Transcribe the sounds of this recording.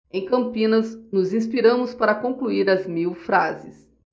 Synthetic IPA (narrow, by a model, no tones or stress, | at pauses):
ẽj̃kɐ̃mpĩnɐznʊzĩspiɾɐ̃mʊspaɾɐkõŋkluiɾɐzmiwfɾazɪs